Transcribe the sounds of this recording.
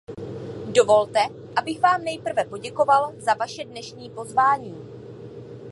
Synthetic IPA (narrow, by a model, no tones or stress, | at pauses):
do̞vo̞lt̪ɛ | ʔabɪɣvaːmnɛjpr̩vɛpo̞ɟɛko̞valzavaʃɛdnɛʃɲiːpo̞zvaːɲiː